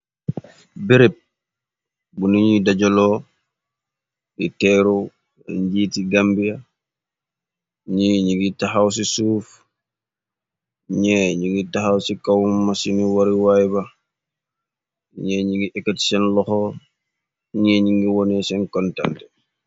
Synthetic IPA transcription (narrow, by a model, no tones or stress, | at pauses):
biɾep̚ | buniɲidaɟɔlɔː | itɛɾo | ɲɟiːtiɡambija | ɲiɲiŋɡitaxaws̬isuːf | ɲɛɲiŋɡitaxawsikawumːasiniwaɾiwajbɐ | ɲɛɲiŋɡiʔɛkːatsɛnlɔxɔː | ɲɛɲiŋɡiwɔnɛsɛnkɔnta̰ntɛ